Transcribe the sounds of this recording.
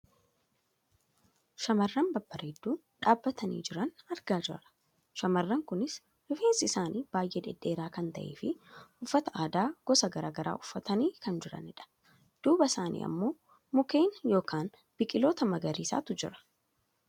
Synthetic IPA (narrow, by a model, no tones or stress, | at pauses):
ʃɐmɐrːɐmbɐbːɐɾɛd̪ːuː | ᶑaːbːɐt̪ʰɐnḭːd͡ʒɪɾɐnɐɾɡaːd͡ʒɪɐɾɐ̥ | ʃɐmɐrːɐŋkʊnɪs | hʊfeːnsɪɪsaːnʔiːb̥aːjʔeᶑ̪ɛᶑːe̞ːɾaːkɐnt̪ɐʔeːfɪʊfːɐt̪ɐʔaːd̪aːɡ̥ɔsɐɡɐɾa̰ːɡɐɾa̰ːʊfːɐt̪ɐniːkɐnd͡ʒɪɾɐ̰nɛᶑɐ̥ | d̪̥uːbɐsaːnʔḭːʔɐ̰mːo̞ː | mʊke̞ːnjo̞ːkaːn | b̥ɪkʼɪlo̞ːt̪ɐmɐɡɐɾiːsa̰ːt̪ʊd͡ʒɪ̰ɾɐ̥